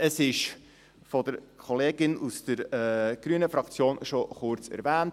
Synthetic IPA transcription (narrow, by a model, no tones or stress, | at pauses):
əsɪʃ | fɔdəɾkʰɔleːɡɪnusd̥əɾɛːɡ̥ɾyənəfɾɑkt͡sjoːnʃɔχʊɾt͡sɛ̰ɾvæːnt